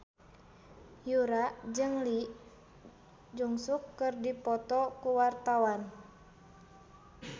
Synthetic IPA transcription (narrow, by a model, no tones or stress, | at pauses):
juɾaʔd͡ʒɨŋliʔ | d͡ʒuŋsukːɨrdipɔt̪ɔkuwart̪awan